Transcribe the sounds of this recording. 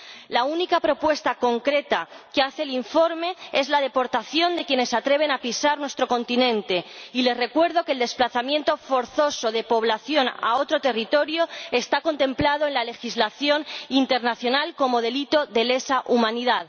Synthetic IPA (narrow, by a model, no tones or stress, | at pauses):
launikapɾo̞pwe̞st̪ako̞ŋkɾe̞t̪akeaθe̞ːliɱfo̞ɾme̞e̞zlað̞e̞po̞ɾt̪aθjo̞nd̪e̞kjene̞sːat̪ɾe̞β̞e̞napisaɾnwe̞st̪ɾo̞ko̞nt̪inẽ̞nt̪e̞ile̞sre̞kwe̞ɾð̞o̞keːld̪e̞splaθamje̞nt̪o̞fo̞ɾθo̞so̞ð̞e̞po̞β̞laθjo̞na̰o̞t̪ɾo̞t̪e̞rit̪o̞ɾjoe̞st̪ako̞nt̪ẽ̞mplaðoe̞nlale̞xizlaθjo̞nint̪e̞ɾnaθjo̞nalko̞mo̞ð̞e̞lit̪oðe̞le̞saʔumãniðað